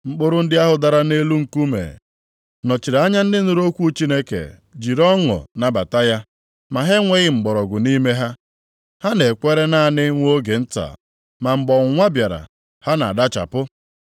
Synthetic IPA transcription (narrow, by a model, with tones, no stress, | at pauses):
ŋ͡m̩˨k͡po˦ɾʊ˦n̩˦dɪ˦a˦ɦʊ˨da˨ɾa˦ne˦lu˦ŋ̩˨ku˦mḛ˨ | nɔ˨t͡ʃi˨ɾa˨a˦ɲa˦n̩˦dɪ˦nʊ˦ɾo˦kʷu˦t͡ʃi˦ne˦kḛ˨ | d͡ʒi˨ɾɔ˦ŋɔ̰˨na˨ba˨ta˦ja˦ | ma˨ɦe˦ŋʷe˦ɣɪ˦ŋ͡m̩˨ɡ͡bɔ˨ɾɔ˨ɡʊ˨ni˦me˦ɦa˦ | ha˦ne˨kʷe˦ɾe˦na˦˨nɪ˦ŋʷ˦o˦ɡe˨n̩˦ta̰˨ | ma˨ŋ͡m̩˨ɡ͡bɔ˨ŋ˨ŋʷa˦bja˨ɾa̰˨ | ha˦na˨a˨da˦t͡ʃa̰˨pʊ˦